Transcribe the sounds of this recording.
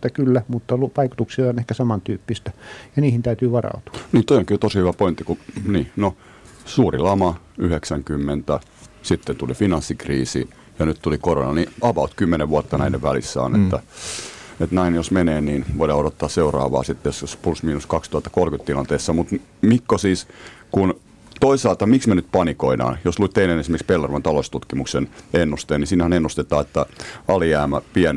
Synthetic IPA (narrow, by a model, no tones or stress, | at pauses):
t̪ːækylːæmut̪ːɑluʋɑiku̥t̪uksiɑonehkæsɑmɑnt̪yːpːist̪æjɑniːhint̪æyt̪yːʋɑrɑ̰ut̪u̥ɑ̥niːnt̪oijoŋkit̪osihyʋæpoint̪ːikuniːno | suːrilɑmɑ | yheksæŋkymːent̪æ | sit̪ːent̪ulifinɑnsːikriːsḭː | jɑnytt̪ulikoronɑniɑʋɑut̪kymːeneʋʋuɑt̪ːɑnæineʋʋælḭsːæ̰ːnḛt̪ːæ | et̪næinjosmeneːniːnʋoiɾɑːoɾot̪ːɑːsseurɑ̰ːʋɑ̰ːsit̪ːejosjospulsmiːnuskɑkst̪uhɑt̪ːɑ̥kolkyt̪t̪ilɑnt̪eːsːɑmut̪ | mikːosiːskun | t̪oisɑlt̪ɑmiksmenyt̪̚pɑnikoinɑ̰ːnjosluit̪t̪einenesimerkspelːɑruʋɑnt̪ɑlost̪ut̪kimuksenenːust̪eːnisiːnhænenːust̪et̪ɑːet̪ːæɑlijæːmæpiæn